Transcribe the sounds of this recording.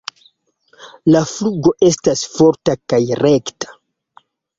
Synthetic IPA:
lafluɡo̞ʔe̞stasfoɾtakajre̞ktḁ

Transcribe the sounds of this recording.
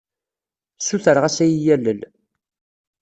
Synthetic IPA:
suθəɾʁæsæjijælːəl

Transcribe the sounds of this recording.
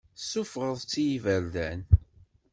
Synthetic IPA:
sʊfʁəðˤt͡sːijivæɾdæn

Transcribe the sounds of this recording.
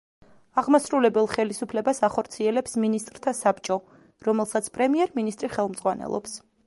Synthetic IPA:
aʁmasɾulɛbɛlˠχɛlisupʰlɛbasaχɔɾt̪sʰiɛlɛpsminist̪ʼɾt̪ʰasapt͡ʃʼɔ | ɾɔmɛlˠsat̪sʰpʼɾɛmiɛɾminist̪ʼɾiχɛlˠmzʁwanɛ̰lˠɔ̰ps

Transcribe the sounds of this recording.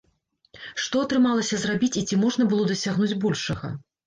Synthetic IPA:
ʂt̪ɔɐt̪ɾɨmalˠɐsʲɐzrabʲit͡sʲit͡sʲimɔʐnɐbɨlˠɔd̪ɐsʲaɣnud͡zʲbɔlʲʂɐɣɐ̰

